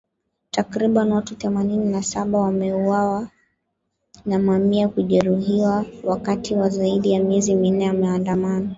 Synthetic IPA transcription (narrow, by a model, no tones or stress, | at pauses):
takɾiɓanwatuθɛmanininasaɓawamɛuwawa | namamiakuʄɛɾuhiwawakatiwazaiɗijamiɛzimin̩nɛamɛandamana